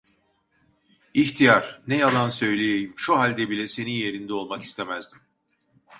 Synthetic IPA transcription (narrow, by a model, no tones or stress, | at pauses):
içt̪ʰijaɾ̥nejalˠansø̞jlʲejejimʃuɦalʲd̪ɛbilʲɛse̞ninje̞ɾind̪ɛo̞lˠmaki̥st̪ʰe̞mæzd̪im